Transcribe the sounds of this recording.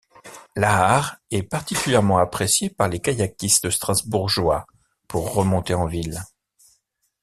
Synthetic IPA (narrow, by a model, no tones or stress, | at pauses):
laːʁɛpaʁt̪ikʲyljɛʁmɑ̃apχesjepaʁlekajakʲisəst̪χɑ̃zbuʁʒwa | puʁːəmɔ̃t̪eɑ̃vil